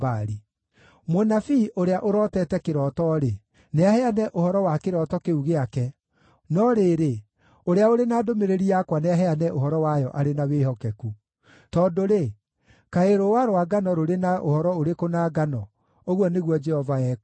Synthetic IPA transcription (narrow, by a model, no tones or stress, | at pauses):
baɾi | monafiʔoɾeaʔoɾɔtɛtɛkeɾɔtɔɾe | neahɛanɛʔohɔɾɔwakeɾɔtɔkeuɣeakɛ | nɔɾeːɾe | oɾeaoɾenaːdomeɾeɾiakwaneaɦɛanɛʔohɔɾɔwajɔʔaɾenaweːhɔkɛku | tɔndoɾe | kaeɾowaɾoaɡanɔɾoɾenaʔo̰hɔɾɔoɾekonaːɡanɔ | oɣɔneɣwɔd͡ʒɛhɔvaɛ